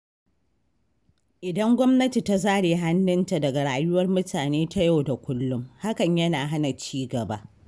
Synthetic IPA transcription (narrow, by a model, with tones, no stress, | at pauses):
ʔɪ˨dɐ˦ŋɡʷɔ˦mnɐ˦ti˨ta˦zaː˦ɽeː˨ɦa˦nːʊ˦nta˨dɐ˨ɡa˨ɽaː˨jʊ˦wɐ˦rmʊ˦tʰaː˨neː˦ta˦ja˦wda˨kʷʊ˦lːʊ˦mha˦kɐ˨ɲjɐ˦naː˨ɦa˦na˨t͡ʃiː˦ɡɐ˨ba˦ʔ